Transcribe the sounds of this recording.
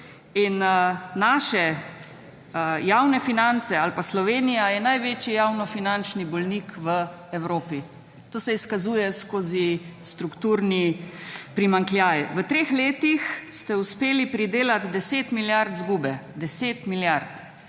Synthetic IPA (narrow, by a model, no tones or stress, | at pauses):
innaʃɛ | jawnɛfinant̪sɛalpaslɔʋeːnijajɛnajʋeːt͡ʃijawnɔfinant͡ʃnibɔlnikʋə | ɛwɾoːpi | t̪oːsɛiskazuːjɛskoːzist̪ɾukt̪uːɾnipɾimaŋkljaːjʋət̪ɾeːxleːt̪ixst̪ɛuspeːlipɾid̪eːlat̪d̪ɛseːt̪miljaɾt̪zɡuːbɛd̪ɛseːt̪miljaɾt̪